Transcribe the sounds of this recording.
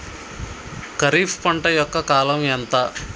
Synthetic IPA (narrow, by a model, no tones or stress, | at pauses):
kɐɾiːfʰpɐɳʈɐjɔkːɐkaːlɐmɛnt̪ɐ